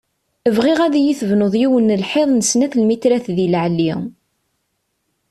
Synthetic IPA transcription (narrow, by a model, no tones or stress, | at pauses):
əvʁiʁæðijiθəvnoðˤjiwənːəlħeðˤnəsnæθlmit̪ɾæθðilʕlːi